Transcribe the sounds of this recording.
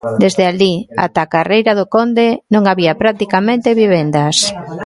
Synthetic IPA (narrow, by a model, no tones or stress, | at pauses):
d̪ezðealia̰t̪akarejɾaðʊkond̪enõŋaβiapɾat̪ikamẽnt̪eβiβ̞end̪as